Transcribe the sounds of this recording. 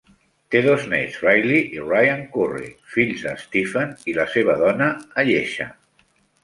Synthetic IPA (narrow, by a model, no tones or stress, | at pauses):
t̪eðoznɛ̰zajliʔirajaŋkurḭfiʎzðəst̪ifənilaseβ̞aðɔnaːʎeʃa̰